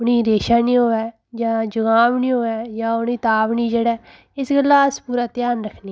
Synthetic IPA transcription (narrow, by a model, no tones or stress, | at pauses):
ʊnĩːɾeːʃaːniːɦoːɛː | d͡ʒãːd͡ʒʊɡãːʋniːɦoːɛːd͡ʒãːʊniːt̪aːʋniːd͡ʒeːɽɛː | ɪsɡəlːaːəspuːɾaːt̪jaːnɾəkʰni